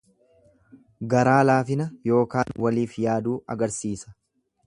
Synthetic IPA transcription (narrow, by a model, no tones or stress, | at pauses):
ɡɐɾaːlaːfɪnɐjo̞ːkaːnwɐliːfjaːd̪uːɐɡɐɾsiːsɐ̥